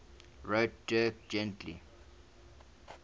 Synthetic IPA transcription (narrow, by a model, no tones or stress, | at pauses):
ɹot̚d̥ɜk̚d͡ʒɛ̃ntʰlḭ